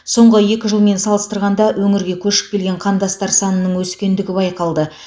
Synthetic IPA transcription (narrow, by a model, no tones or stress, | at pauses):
so̞ɴʁəje̞kʲɪʒəlˠme̞nsɑlˠəst̪əɾʁɑnd̪ɑwʔɵŋɪɾɡʲe̞kʲʰɵʃɪ̥p̚kʲʰe̞lɡʲe̞ɴqʰɑnd̪ɑst̪ɑɾsɑnənːəɴwɵskʲe̞nd̪ɪɡʲɪbɑjqɑlˠd̪ə